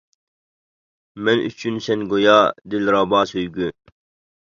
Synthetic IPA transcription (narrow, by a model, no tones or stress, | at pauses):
mɛnʔy̰t͡ʃʰynsɛnɡojɑːd̪ɪlɾɑːbɑːsøjɡy